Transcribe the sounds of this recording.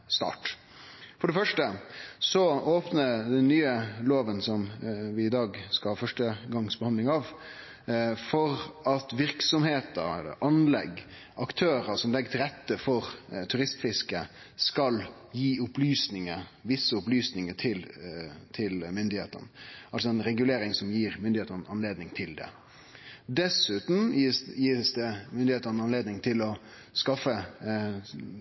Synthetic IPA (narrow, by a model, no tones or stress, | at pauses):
st̪ɑ̰ːʈ | fɔɖɛfœʂʈəsɔoːpnəɾd̪ɛnːyːəloːʋənsɔmʋɪɪd̪ɑːɡskɑlhɑːfœʂʈəɡɑŋsbɛhɑnd̪lɪŋɑʋ | fɔɾɑt̪ʋɪɾksɔmheːt̪əɾɛlə̰ʔɑnlɛ̰ɡ | ʔɑkt̪ʰøːɾəsɔmlɛɡːət̪ʰɪlɛt̪ːəfɔɾt̪ʰʉɾɪst̪fɪskə | skɑl | jiːʊplyːsnɪŋəʋɪsːəʊplyːsnɪŋəʈʰɪlt̪ʰɪlmʏnd̪ɪhḛːt̪ə̰nəʔɑlsɔɛnɾɛɡʉleːɾɪŋsɔmjiːɾmʏnd̪ɪheːt̪ənɑnleːd̪nɪŋt̪ʰɪld̪ɛ̰ | d̪ɛsʉːt̪n̩jiːsd̪ɛmʏnd̪ɪheːt̪ənɑnleːd̪nɪŋt̪ʰɪlɔ | skɑfə